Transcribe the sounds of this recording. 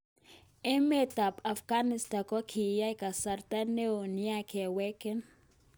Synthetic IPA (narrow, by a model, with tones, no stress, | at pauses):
e˦me˦ta˨pa˨fɡa˦nɪ˨sta˨kɔ˦kʰi˨ja˦i˦ka˨sa˨ɾta˦ne˦o˨ni˦a˦kɛ˨wɛ˦kɛ˦n